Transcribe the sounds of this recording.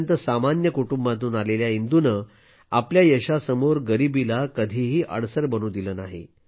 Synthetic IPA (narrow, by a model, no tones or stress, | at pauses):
nt̪əsamanjəkuʈumbãt̪̬uːnaleljaind̪unə | apljajəɕasəmoɾɡəɾibilakəd̪ʱiɦiːʔə̰ɽsəɾbəñuːd̪iləːnaɦḭ